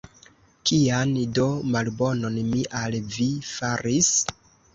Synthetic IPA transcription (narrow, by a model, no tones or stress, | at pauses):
kiando̞malbo̞no̞nmiʔalvifaɾis